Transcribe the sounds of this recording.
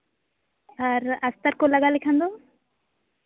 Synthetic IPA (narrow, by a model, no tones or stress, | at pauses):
aɾɐst̪əɾkolɐɡalekʰãnd̪o